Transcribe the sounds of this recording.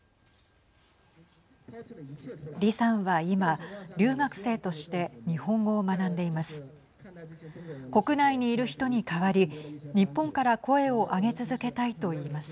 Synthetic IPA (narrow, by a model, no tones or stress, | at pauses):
ɾʲisãɰ̃βaimaɾʲɨːɡakɯ̟̥se̞ːt̪oɕi̥t̪e̞ɲ̟ihõ̞ŋɡo̞ːmanãnd̪e̞imasɨ̥ | ko̞kɯ̟naiɲ̟iːɾɯ̟çi̥t̪o̞ɲ̟ikaβaɾʲiɲ̟ipːõ̞ŋkaɾako̞e̞o̞ʔaɡe̞t͡sɨzɨke̞t̪ait̪o̞iːmasɨ̥